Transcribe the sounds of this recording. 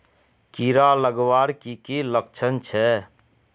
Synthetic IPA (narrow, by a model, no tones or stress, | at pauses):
kiɾaləɡʋaɾkikiləkt͡ʃʰənt͡ʃʰɛ